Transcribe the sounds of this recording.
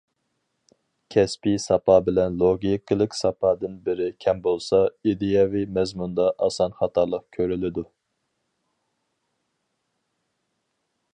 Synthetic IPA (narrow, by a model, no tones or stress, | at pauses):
kʲʰɛspisɑpʰɑːbɪlɛnlˠoɡʲiklˠɨkʲsɑpʰɑːd̪ɨnbɪɾɪkʲʰɛmbolˠsɑid̪ejɑvimɛzmund̪ɑʔɑsɑnχɑt̪ʰɑɾlˠəq̚kʲʰøɾylɪd̪u